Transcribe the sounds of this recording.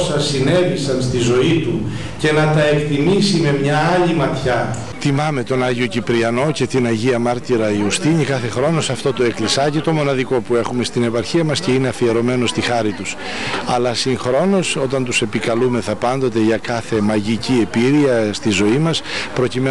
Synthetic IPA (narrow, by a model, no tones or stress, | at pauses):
sɐsine̞ðisɐnst̪izo̞it̪u | ce̞nɐt̪ɐekt̪imisime̞mɲɐɐʎimɐt̪çɐ | t̪imɐme̞t̪o̞nɐʝio̞cipɾiɐno̞ce̞t̪inɐʝiɐmɐɾt̪iɾɐiust̪iɲikɐθe̞xɾo̞no̞sɐft̪o̞t̪o̞e̞klisɐcit̪o̞mo̞nɐðiko̞pue̞xume̞st̪ine̞pɐɾçiɐmɐsce̞ineɐfie̞ɾo̞me̞no̞st̪ixɐɾit̪us | ɐlɐsiŋxɾo̞no̞so̞t̪ɐnt̪use̞pikɐlume̞θɐpɐnd̪o̞t̪e̞ʝɐkɐθe̞mɐʝicie̞piɾiɐst̪izo̞imɐspɾo̞cime